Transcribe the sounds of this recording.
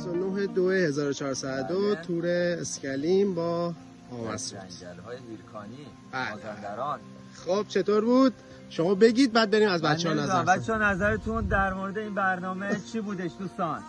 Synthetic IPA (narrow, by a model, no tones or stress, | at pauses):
sonoɦed̪oehe̞zɒːɾot͡ʃʰɒːɾsæd̪ot̪ʰuːɾeːscæliːmbɒː | ɒːmæ̰sṵ̥æɾhɒːjehiɾkʰɒːniː | b̥æːlæɾɒːn | xob̥̚t͡ʃʰe̞t̪ʰoːɾbuːd̪̥ | ʃomɒːbe̞ɟiːd̪̚bæd̪̚be̞ɾiːmæzbæt͡ʃehɒːnæzæbæt͡ʃʰːɛnæzæɾet̪ʰund̪æɾmoɾed̪eiːnbæɾnɒːmet͡ʃʰiːbuːd̪eʃd̪uːst̪ɒːn